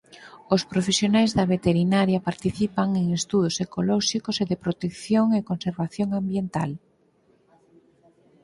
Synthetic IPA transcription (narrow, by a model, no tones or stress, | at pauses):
ospɾofesjonajzðɐβet̪eɾinaɾjapaɾt̪iθipaŋeŋest̪uð̞osekolɔʃikoseðepɾot̪ekθjoŋekonseɾβaθjoŋambjent̪al